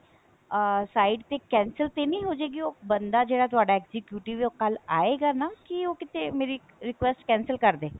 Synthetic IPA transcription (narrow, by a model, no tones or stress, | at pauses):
saːiɖt̪ekɛ̃ːnsəlt̪enəĩːɦoːd͡ʒeːɡioːbənd̪aːd͡ʒeːɽaːt̪ʊaːɖaɛkzɪkjuːʈɪʋokəlaːeːɡaːnaːkioːkɪt̪ẽmeːɾi | ɾɪkʋɛsʈkɛ̃ːnsəlkəɾd̪eː